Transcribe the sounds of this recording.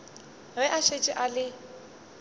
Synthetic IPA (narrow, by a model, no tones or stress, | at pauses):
wɛʔaʃet͡ʃʼɪʔalɪ